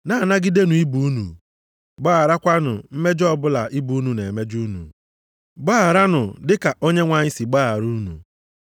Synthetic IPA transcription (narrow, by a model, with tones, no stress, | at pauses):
na˦˨na˦ɡɪ˦de˦nu˨i˦bu˨u˦nṵ˨ | ɡ͡baː˦a˨ɾa˦kʷa˦nʊ̰˨m̩˦me˦d͡ʒɔ˦bʊ˦la˨ʔi˦bu˨˦nu˨ne˨me˦d͡ʒu˦nṵ˨ | ɡ͡ba˦a˨ɾa˦nʊ˨dɪ˦ka˨ʔo˦ɲe˦ŋʷa˨ɲɪ˦si˨ɡ͡ba˦a˨ɾu˦nṵ˨